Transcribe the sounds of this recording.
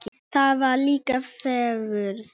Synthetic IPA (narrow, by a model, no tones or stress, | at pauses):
t̪ʰaːʋaːlikɐfɛɣəɾ